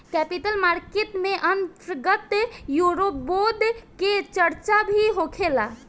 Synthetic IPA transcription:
kɛpiʈəlmaɾkeʈmeʔənt̪ɾɡət̪juɾopbod̪ʱket͡ʃəɾt͡ʃabʱiɦokʰela

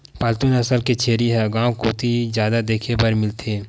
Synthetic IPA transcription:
paːlt̪unɐsəlket͡ʃʰeːɾiɦɛɡãːwkot̪ʰid͡ʒjaːd̪ad̪eːkʰebɐɾmɪlt̪ʰeː

